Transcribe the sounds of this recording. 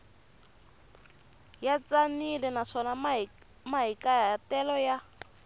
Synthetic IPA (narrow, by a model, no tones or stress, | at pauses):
jat͡sanilɛnaʂɔna | maɦikatɛlɔja